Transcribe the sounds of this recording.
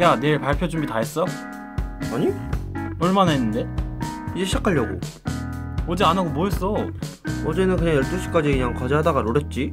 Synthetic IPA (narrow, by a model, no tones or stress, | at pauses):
jane̞ɭpaɭpʰjod͡ʑumbitaɦes͈ʌjo | aɲiʌɭmanaɦenːɯnde̞id͡ʑe̞ɕʰid͡ʑakʰaʎːʌɡo̰ | ʌd͡ʑeanaɡomwoɦes͈ʌ | ʌd͡ʑe̞nɯnkɯɲaŋjʌɭt͈oɕʰi̥k͈ad͡ʑikɯɲaŋkad͡ʑeɦadaɡanoɾʌt̚t͡ɕ͈i